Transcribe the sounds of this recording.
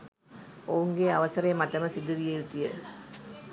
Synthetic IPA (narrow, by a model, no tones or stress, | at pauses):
ouŋɡeːɐʋɐsɐɾemɐʈːɐməsid̪uʋijejut̪ːije